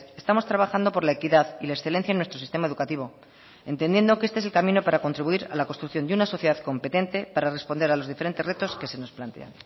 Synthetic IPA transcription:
e̞st̪amo̞st̪ɾaβaxand̪o̞po̞ɾlae̞kiðaðilaeksθe̞le̞nθjaenwe̞st̪ɾoist̪e̞mae̞ðukat̪iβ̞o̞ | e̞nt̪e̞nd̪je̞nd̪o̞keest̪eese̞lkamĩno̞paɾako̞nt̪ɾiβuiɾa̰lako̞st̪ɾukθjo̞nd̪eunaso̞θjeðaðko̞mpe̞t̪ent̪e̞paɾare̞spo̞nd̪e̞ɾalo̞zðife̞ɾe̞nt̪ere̞t̪o̞ske̞se̞no̞splant̪e̞̰a̰n

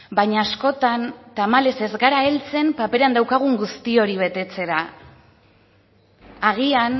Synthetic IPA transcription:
baɲaːsko̞t̪ant̪amale̞se̞zɡaɾaelt͡se̞mpape̞ɾand̪awkaɣ̞uŋɡust̪io̞ɾiβ̞e̞t̪e̞t͡se̞ɾa | ɣ̞ian

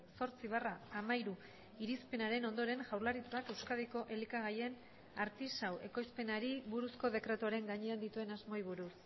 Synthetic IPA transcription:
so̞ɾt͡siβaraːmajɾu | iɾispe̞naɾe̞no̞nd̪o̞ɾe̞ŋʝawɾlaɾit͡sake̞wskaðeko̞ʔe̞likaɣ̞ajen | aɾt̪isawe̞ko̞jspe̞naɾiβuɾusko̞ðe̞kɾe̞t̪uoaɾe̞ŋɡaɲeand̪it̪ue̞nazmo̞jβ̞uɾus

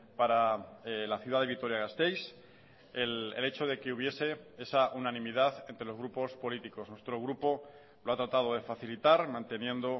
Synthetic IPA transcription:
paɾalaθjuðaðe̞βit̪o̞ɾjaɣast̪e̞js | elḛle̞t͡ʃo̞ð̞e̞ke̞uβ̞je̞se̞e̞saʔunãnĩmiðaθe̞nt̪ɾelo̞zɣɾupo̞spo̞lit̪iko̞snwe̞st̪ɾo̞ɣ̞ɾupo̞ | loat̪ɾat̪að̞o̞ð̞e̞faθilit̪aɾmãnt̪e̞njẽ̞nd̪o̞

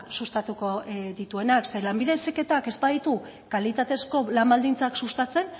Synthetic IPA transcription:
sust̪at̪uko̞ðit̪ue̞nakse̞lambiðe̞seke̞t̪ake̞spaðit̪u | kalit̪at̪e̞sko̞lambald̪int͡saksust̪at͡se̞n

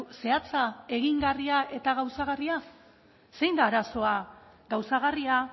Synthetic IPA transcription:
se̞at͡sae̞ɣiŋɡariaʔe̞t̪aɣawsaɣaria | se̞jnd̪aːɾaso̞a | ɡawsaɣ̞aria

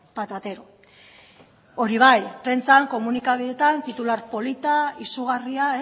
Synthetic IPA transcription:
pat̪at̪e̞ɾo | o̞ɾiβ̞ajpɾent͡saŋko̞munikaβ̞iðe̞t̪ant̪it̪ulaɾpo̞lit̪aisuɣ̞ariae

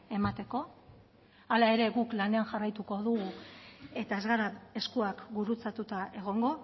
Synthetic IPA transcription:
e̞mat̪e̞ko̞ | alae̞ɾe̞ɣuklane̞anʝarajt̪uko̞ðuɣue̞t̪aezɣaɾae̞skuakɡuɾut͡sat̪ut̪aʔe̞ɣ̞o̞ŋɡo̞

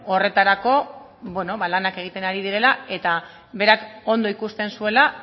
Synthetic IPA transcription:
o̞re̞t̪aɾako̞ | βweno̞βalanake̞ɣ̞it̪e̞naɾið̞iɾe̞lae̞t̪a | βe̞ɾako̞nd̪o̞ikust̪e̞nsue̞la

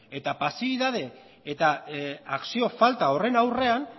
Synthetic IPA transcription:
e̞t̪apasiβ̞iðað̞e̞ | et̪aaksio̞falt̪ao̞re̞nawre̞an

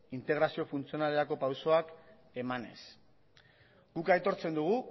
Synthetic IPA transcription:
int̪e̞ɣ̞ɾasio̞funt͡sio̞nale̞ɾako̞pawso̞ak | e̞mane̞̰s | ɡ̥ukajt̪o̞ɾt͡se̞nd̪uɣ̞u

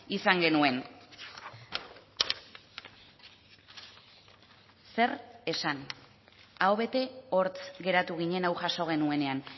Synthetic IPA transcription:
isaŋɡe̞nue̞n | se̞re̞san | aoβe̞t̪e̞o̞ɾt͡sɣe̞ɾat̪uɣ̞iɲe̞nawʝaso̞ɣ̞e̞nue̞ne̞an

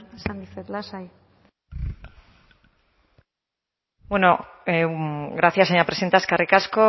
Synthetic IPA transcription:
sand̪ifeðlasaj | bwenoeɡɾaθjaseɲapɾesent̪askarikasko

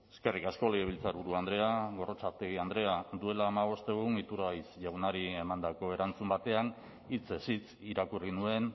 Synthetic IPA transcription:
e̞̥ske̞rikasko̞leɣeβilt͡saɾβuɾuand̪ɾe̞aɣo̞rot͡saɾt̪eɣiand̪ɾe̞ad̪ue̞laːmaβ̞o̞st̪e̞ɣunit̪uɾajsʝawnaɾie̞mand̪ako̞e̞ɾant͡sumbat̪e̞an | it͡sesit͡s | iɾakurinue̞n

